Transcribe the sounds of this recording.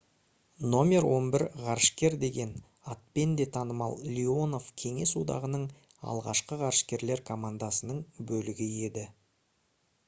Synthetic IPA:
no̞mʲe̞ɾwo̞nbɪɾʁɑɾʃkʲe̞ɾd̪e̞ɡʲe̞n | ɑt̪̚pe̞nd̪e̞t̪ʰɑnəmɑ̰lˠlʲio̞no̞vkʲʰe̞ŋe̞sud̪ɑ̰ʁənəɴ | ɑ̰lˠʁɑ̰ʃqəʁɑɾəʃkʲe̞ɾle̞ɾkʰo̞mand̪ɑsənəɴbɵlɪɡʲɪje̞d̪ɪ

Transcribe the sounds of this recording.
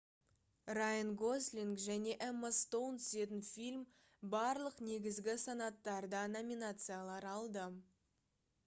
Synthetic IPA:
rajənɡoslʲiŋkʒæne̞ʔemːəst̪o̞wnt̪ʰʏze̞t̪̬ɪnfʲilʲm | bɑɾlˠəqne̞ɡʲɪzɡʲɪsɑnɑt̪ːɑɾd̪ɑno̞mʲinat̪sɨjalˠɑɾɑlˠd̪ə

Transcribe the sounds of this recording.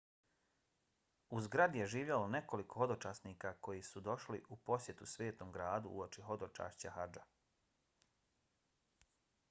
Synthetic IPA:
uzɡɾad̪ije̞ʒiːʋʎʲelo̞ne̞ko̞liko̞ho̞d̪o̞t͡ʃaːsniːkako̞jisud̪o̞ʃlḭʔupo̞sʲje̞t̪usʋeːt̪noːmɡɾaːd̪uṵot͡ʃiɦo̞d̪ot͡ʃa̰ːʃt͡ɕaxad͡ʒa

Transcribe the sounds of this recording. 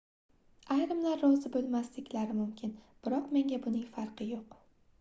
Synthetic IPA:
ajɾɪmlaɾːɒzɪbolˠmaslɪkʲlaɾɪmʊmkʲʰɪnb̥ɪɾɒqme̞ŋɡʲabʊnɪŋfaɾqɨjoq

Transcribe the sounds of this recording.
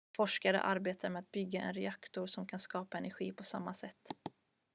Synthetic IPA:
fɔʂkaɾə̰ʔa̰ɾbeːt̪ʰaɾmɛat̪̚bʏɡːaʔɛ̰nɾɛakt̪ʊɾʂɔmkʰanskɑːpaɛnæɾɧḭːpʰɔsamːasɛt̪ː

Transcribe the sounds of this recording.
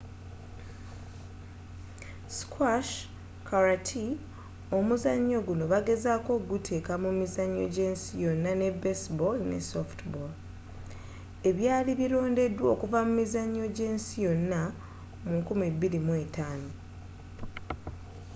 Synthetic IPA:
skwaʃ | kʰaɾatʰi | o̞muzaɲːo̞ɡuno̞βaɡe̞zako̞ɡutʰe̞kamumizaɲːo̞̰ɟe̞ːnsijo̞nːane̞be̞sbo̞lne̞̰softbol | e̞βjaːliβiɾo̞ːnde̞dːwo̞ːkuvamumizaɲːo̞ɟe̞ːnsijo̞nːa | mukumebːiɾimwe̞taːno̞

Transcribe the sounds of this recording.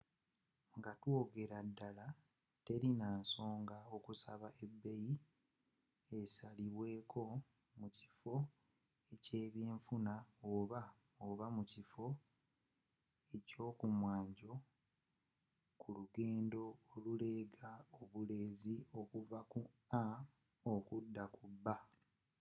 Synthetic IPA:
ŋɡatwo̞ɡe̞ɾadːala | te̞ɾinaːnso̞ːŋɡao̞kusaβaʔe̞bːe̞ji | e̞saliβwe̞ːkʰo̞ | muci̥fo̞ | ece̞ːβje̞ːɱfunaoːβa | oβamucifo̞ | e̞co̞ːkumwaːɲɟo̞ | kʰuluɡe̞ːndo̞ːlule̞ːɡaoβule̞ːzio̞kuvaku | a | okudːakubːa

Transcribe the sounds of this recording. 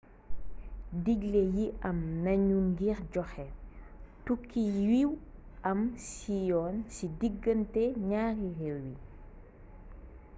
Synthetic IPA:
diɟlejiʔɐmnɐɲuŋɡiːɾɟɔxɛ | tukʰːijwiːwʔɐmsijɔːnsidiɡːəntɛɲaːkiɦɛwwi

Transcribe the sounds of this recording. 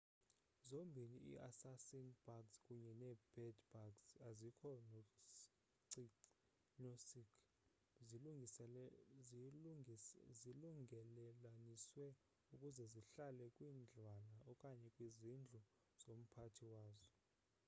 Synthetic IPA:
zombʱiniḭʔasasinb̥aɡskʼuɲɛnɛːb̥ɛdbaɡsazikʰɔn | ǀi | nosikʰ | zi | iluŋɛlɛlaniswɛ | ukʼuzɛziɬalɛkʼwind͡ɮʱwanaɔkʼaɲɛkʼwizind͡ɮʱu | z̥om̩pʰatʰiwaːzɔ

